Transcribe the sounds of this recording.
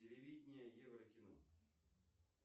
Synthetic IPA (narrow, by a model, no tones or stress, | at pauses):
ɪlʲɪvʲidʲnʲɪjəjɛvrəkʲɪno̰